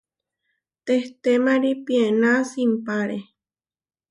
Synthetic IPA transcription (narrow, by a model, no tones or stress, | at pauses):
t̪eht̪emaɾipienasimpaɾe